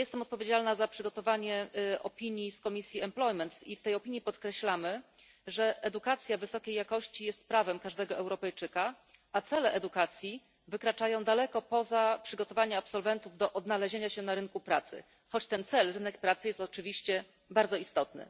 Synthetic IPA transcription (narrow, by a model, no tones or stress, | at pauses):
jɛst̪ɛmɔt̪̚pɔvʲjed͡ʑalnazapʂɘɡɔt̪ɔvaɲɛɔpʲiɲjiskɔmʲisʲjiɛmplɔjmɛnt̪ift̪ɛjɔpʲiɲːipɔt̪kɾɛɕlamɘ | ʐɛʔɛd̪ukat̪sʲjavɘsɔkʲejːakɔɕt͡ɕijɛst̪̚pɾavɛmkaʐd̪ɛɡɔʔɛwɾɔpɛjt͡ʂɘka | at̪sɛlɛʔɛd̪ukat̪sʲji | vɘkɾat͡ʂajɔ̃w̃d̪alɛkɔpɔzapʂɘɡɔt̪ɔvaɲaapsɔlvɛnt̪uvd̪ɔʔɔd̪nalɛʑeɲaɕɛnaɾɘnkupɾat̪sɘ̰ | xɔt͡ɕt̪ɛnt̪sɛlɾɘnɛkpɾat̪sɘjɛst̪ɔt͡ʂɘvʲiɕt͡ɕɛ | baɾd̪zɔist̪ɔt̪̚nɘ̰